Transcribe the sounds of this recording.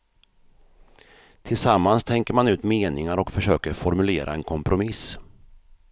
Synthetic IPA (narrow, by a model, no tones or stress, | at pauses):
t̪ʰɪlsamːanst̪ʰɛŋkəɾmanʉ̟ːt̪meːnɪŋaɾɔkfœʂøːkəɾfɔɾmɵleːɾʔa̰ɛnkʰɔmpɾʔʊmɪs